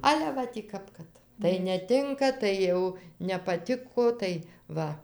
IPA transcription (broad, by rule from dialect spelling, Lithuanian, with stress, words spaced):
ˈɑːlʲɛ ˈʋɐ tʲiː ˈkɐp kɐt tɐɪ nʲɛˈtʲɪŋkɐ ˈtɐɪ jɛʊ nʲɛpɐˈtʲɪkoː tɐɪ ˈʋɐ